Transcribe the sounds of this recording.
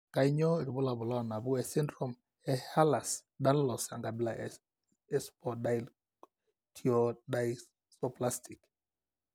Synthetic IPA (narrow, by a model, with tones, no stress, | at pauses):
ka˨i˦ɲɔ˦e˨ɾbʊ˦la˨bʊ˨lɔ˦˨na˨bu˦ɛ˨si˦ndɾɔ˨m | ɛ˨ha˦la˨sda˦n˦lɔ˨sa˨ŋɡa˨bi˦la˨ | ɛ˦spʰɔdail | tʰiɔdaj | sɔ˦pla˦sti˨k